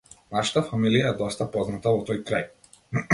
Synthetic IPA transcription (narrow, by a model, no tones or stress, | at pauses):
naʃḁt̪afamilijaɛd̪ɔst̪apɔznat̪avɔt̪ɔjkɾaj